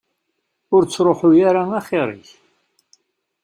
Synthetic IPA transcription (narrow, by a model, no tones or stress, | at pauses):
ʊɾt͡sːɾˤoħujaɾaŋaχɪɾˤɪ̰ç